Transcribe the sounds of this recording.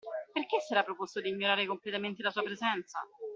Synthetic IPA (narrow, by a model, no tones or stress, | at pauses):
perk̟esːɛɾapːɾopost̪od̪iːɲːoɾaːɾekomplet̪ament̪elasuːapɾezɛnt̪sa̰